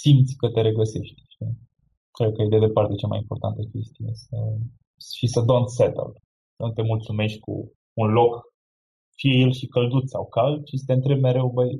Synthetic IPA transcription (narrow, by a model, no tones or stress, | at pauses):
simt̪sʲkət̪e̞ɾe̞ɡəse̞ʃt̪ʲʃi | kɾed̪̚kəjejd̪ed̪e̞part̪e̞t͡ʃama̰jimpo̞rt̪a̰nt̪əkʲe̞st̪ijesə | ʃisəd̪onset̪ə̰l | sənut̪e̞mult̪sume̞ʃt̪ʲkṵː | nlo̞k | fije̞je̞lʃikəld̪ut̪sawkalʃisə̥t̪eɨnt̪ɾebmeɾe̞wbəj